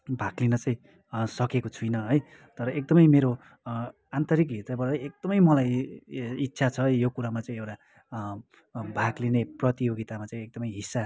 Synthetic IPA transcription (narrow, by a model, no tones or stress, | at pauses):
bʱaklinʌt͡sãĩ | sʌkekot͡sʰujnʌɦʌj | t̪ʌɾʌek̚d̪ʌmʌjmeɾo | ant̪ʌɾik̬ɦit̪rʌbʌɾɾʌjek̚d̪̥ʌmʌjmʌlaj | itːsʰat͡sʰʌjokuɾamat͡saĩewʈa | bʱaklineprʌt̪ijoɡit̪amat͡saĩek̚d̪ʌmʌjɦisːa